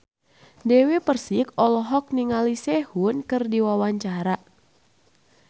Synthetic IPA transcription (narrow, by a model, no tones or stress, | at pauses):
dɛwɛpərsik̚ɔlɔɦɔk̚niŋalisɛhunkɨrdiwawaɲt͡ʃaɾa